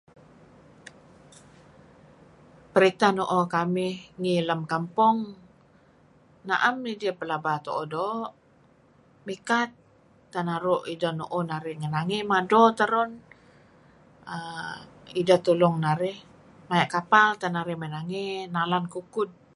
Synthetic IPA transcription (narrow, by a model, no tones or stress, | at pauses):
pəɾit̪anɔʔokamɪhŋiləmkampʊŋ | naʔamːidiəpəlabat̪oʔodɔʔ | mikat̪ː | anaɾʊʔidanoʔɔnaɾɪŋənaŋimadɔt̪əɾɔn | ə | idat̪ulɔŋnaɾɪh | majaʔkapalt̪anaɾɪmənaŋenalankukʊd̚